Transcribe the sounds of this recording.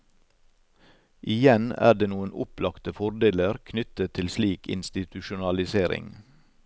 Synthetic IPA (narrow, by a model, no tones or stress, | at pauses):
ʔɪjɛnæ̰ːɖeːnuːənʊplɑkt̪əfɔɾɖ̪eːləɾkʰnʏt̪ət̪ʰːɪlsliːkʰɪ̰nst̪ɪt̪ʉʃʊnɑlɪseːɾɪ̰ŋ